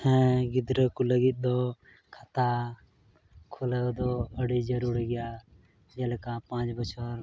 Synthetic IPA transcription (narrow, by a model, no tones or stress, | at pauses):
hɛ̃ɡɪd̪ɾəkuləɡit̪̚d̪oː | kʰət̪aː | kʰoləd̪oːəɽiːd͡ʒəɾuːɾiɡɪjaː | d͡ʒəlkãːpãːt͡ʃbət͡ʃʰəɾ